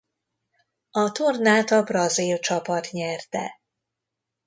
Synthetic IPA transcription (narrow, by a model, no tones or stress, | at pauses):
ɒt̪ornaːt̪ɒbrɒzilt͡ʃɒpɒt̪ɲɛrt̪ɛ̰